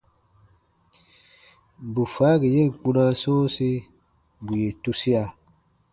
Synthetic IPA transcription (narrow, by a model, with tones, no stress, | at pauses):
bu˨faː˨˦ɡe˨je˦˨ŋ̩˨k͡pũ˦nã˦sɔ̃ː˦si˦ | bu˨je˨tu˦si˦a˨